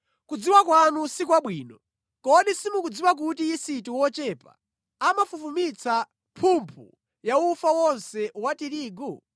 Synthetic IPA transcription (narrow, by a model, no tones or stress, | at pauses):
kud͡ziwakwanusikwaɓwiːnɔ | kɔɗisimukud͡ziwak̬utiisituwɔt͡ʃɛːpa̰ | amafufumit͡sʰa | pʰumpʰṵ | jaufawɔnsɛwatiɾiːɡu